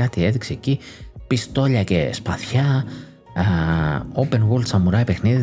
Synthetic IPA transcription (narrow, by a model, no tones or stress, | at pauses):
ɐt̪ie̞ðikseːcipist̪o̞ʎɐce̞̰spɐθçɐ | ope̞nɣolsɐmuɾɐipe̞xniði